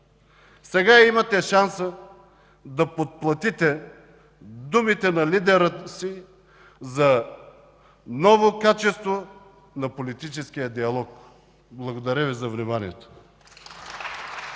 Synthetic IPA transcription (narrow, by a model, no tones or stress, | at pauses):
sɛɡaimɐt̪ɛʃansə | d̪ɐpot̪̚plˠɐt̪it̪ɛ | d̪umit̪ɛnɐlid̪ɛɾəsi | zɐ | nɔvokat͡ʃɛst̪vo | nɐpolit̪it͡ʃɛskijəd̪iɐlˠɔk̚ | blˠɐɡod̪ɐɾʲəvizɐvnimaniɛt̪o̥